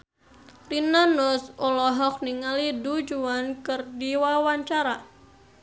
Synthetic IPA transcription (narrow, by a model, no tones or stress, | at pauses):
rinanɔsɔlɔɦɔk̚niŋalidud͡ʒuankɨrdiwawaɲt͡ʃaɾa